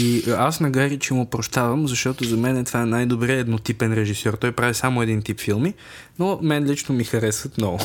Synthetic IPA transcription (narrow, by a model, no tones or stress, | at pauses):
iasnɐɡaɾʲit͡ʃɛimopɾoʃt̪avɐmzɐʃt̪ɔt̪ozɐmɛnɛt̪v̥aɛnajd̪obɾiɛd̪not̪ipɛnɾɛʒisɔɾt̪ɔjpɾavisamoɛd̪int̪ipfilˠmi | nomɛnlit͡ʃnomixɐɾɛsət̪mnɔɡʊ